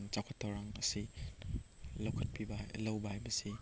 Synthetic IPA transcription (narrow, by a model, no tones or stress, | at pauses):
ŋt͡ʃakʰɐtʰːawɾaŋɐsi | lɐwkʰɐt̚pʰibalɐwbahajbɐsi